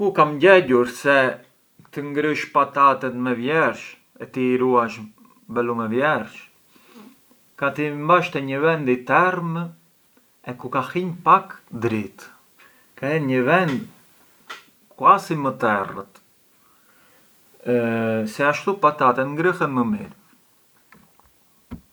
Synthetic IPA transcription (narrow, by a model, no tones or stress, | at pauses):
kukamɟɛɟuɾsɛ | t̪əŋɡɾəʃpat̪at̪ɛt̪mɛvjɛɾʃ | ɛt̪iɾuaʃ | bɛlumɛvjɛɾʃ | kat̪imbaʃt̪ɛɲəvɛnd̪it̪ɛrm | ɛkukahiɲpakd̪ɾit̪ | kaɛnɲəvɛnd̪ | kwasimət̪ɛrə̰t̪ | sɛaʃt̪upat̪at̪ɛt̪ŋɡɾəhɛnməmḭɾ